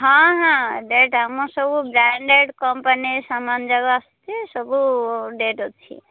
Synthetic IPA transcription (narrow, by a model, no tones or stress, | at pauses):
ɦãɦãɖeʈɦamɔsɔbubɾaɳɖeɖkɔmpanisamand͡ʒʌɡaːst̪isɔbuɖeʈot͡ʃʰḭ